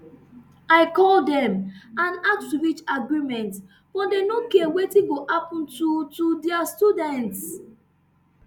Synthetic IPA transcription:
aɪkɔldɛ̃mãnak̚tiɹit͡ʃaɡɹimɛ̃nt | fɔ̃denokiawetiɡoʔapũntutudɛastudɛ̃nts

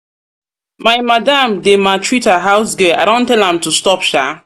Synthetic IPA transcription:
maɪmadamdematɹitaɦaʊsɡɛa̰dõntɛlãmtustɔpʃa

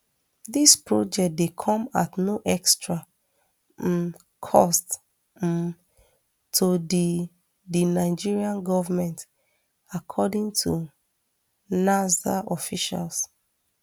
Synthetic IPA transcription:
ðispɹɔd͡ʒɛk̚dekʰɔ̃ma̰tnoʔɛkstɹa | kʰɔst | tʰudi | dinaɪd͡ʒiɹiãnɡɔvamɛ̃nt | akʰɔdĩŋtʰu | nazaʔɔfiʃa̰ls

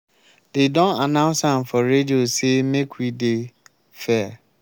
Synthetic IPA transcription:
dedɔ̃nanãʊ̃nsãmfɔɾediosemekwide | fɛa

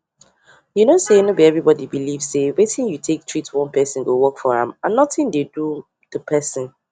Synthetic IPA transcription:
junosenobiɛvɹibɔdibilivz̥sewetʰĩnjutʰek̚tʰɹ̥itʰwɔ̃npɛsə̃nɡowɜkfɔɹã̰mãnːɔtɪ̃ndedu | ð̥əpʰɛsə̃n

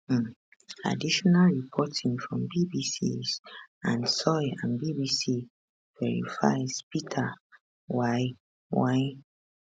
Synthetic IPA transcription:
a̰diʃɔnalɹipʰɔtʰĩŋfɹɔ̃mbibisḭzãnsɔjãnbibisi | vɛɹḭfa̰ɪzpitʰa | waj | waɪ

